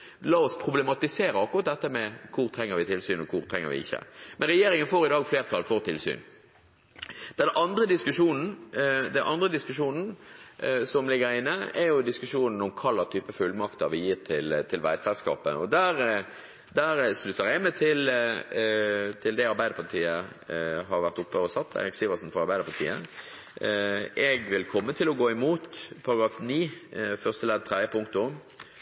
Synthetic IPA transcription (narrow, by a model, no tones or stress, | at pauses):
lɑːɔspʰʁʊblɛmɑt̪ɪseːɾəɑkːʊʁɑt̪̚d̪ɛt̪ːəmɛkʰʊɾt̪ʰɾɛŋːəɾʋɪt̪ʰɪlsyːnɔkʰʊɾt̪ʰɾɛŋːə̰ɾʋɪ̰ɪ̰çːə̰mʔɛnʁɛjeːɾɪŋənfoːɾɪd̪ɑːɡfleːʁt̪ʰɑlfoːʁt̪ʰɪlsy̰ːn | d̪̥ɛnɑnd̪ɾəd̪ɪskʉʂuːnn̩d̪ɛnʔɑnd̪ʁəd̪ɪskʉʂuːnn̩ | sɔmlɪɡəɾɪnːəɛɾjʊd̪ɪskʉʂuːnn̩ɔmkʰɑlːɑt̪ʰyːpəfʉlmɑkt̪ɑʋɪjiːʁt̪ʰɪlt̪ʰɪlʋæ̰ɪsɛlskɑ̰ːpə̰ʔɔd̪æɾ | d̪æɾʂlʉt̪ːəɾɛɡmæɪt̪ʰɪl | t̪ʰɪld̪ɛɑɾbæɪd̪əpʰɑʁt̪ʰiːə | ɦɑɾʋæɾt̪ʊpːəɔsɑt̪ʰːæ̰ɪɾɪksiːʋəsnfɔɾɑɾbæɪəpʰɑʁt̪ʰḭːə | ʔɛɡʋɪlkʰɔmːət̪ʰɪlɔɡoːɪmuːt̪pʰɑɾɑɡɾɑːfniːfœʁst̪əlɛd̪t̪ʰʁɛəpʰʊŋk̚t̪ʊm